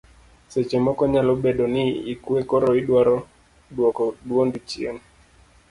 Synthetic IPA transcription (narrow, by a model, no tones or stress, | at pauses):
sɛt͡ʃɛmɔkɔɲalɔɓɛɗɔniikuɛkɔɾɔiɗwaɾɔ | ɗwɔkɔɗuɔndit͡ʃiɛ̰ni